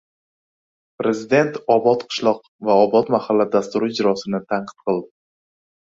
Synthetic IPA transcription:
pɾe̞zɪd̪e̞nt̪ɒbɒt̪qʰɨ̥ʃlˠɒq̚ | vaɒbɒt̪mahalːad̪ast̪ʊɾʊɪd͡ʒɾɒsɪnɪt̪ʰaɴqʰɨ̥t̪qɨlˠd̪ɪ

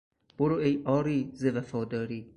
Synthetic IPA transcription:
b̥oɾoʔejʔɒːɾiːzevæfɒːd̪ɒːɾiː

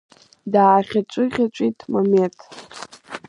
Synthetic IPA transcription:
daːχʲat͡ʃʷʼɨʁʲat͡ʃʷʼitʼmomentʰ

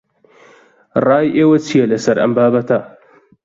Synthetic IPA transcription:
rɑːjʔeːwɐt͡sʰijɐlɐsɐɾʔɐ̰mbaːbɐt̪ʰɐ

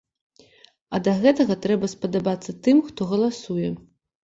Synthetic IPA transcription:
ɐd̪ɐɣɛt̪ɐɣɐt̪ɾɛbɐspɐd̪abat̪sːɐt̪ɨmxt̪ɔɣɐlˠasujɛ

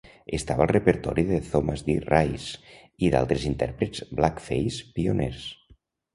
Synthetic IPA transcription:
est̪aβaəlˠrepəɾt̪ɔ̰ɾiðeθomazðirajs | iða̰lˠt̪ɾezint̪ɛ̰ɾpɾezblakfejspioneɾs

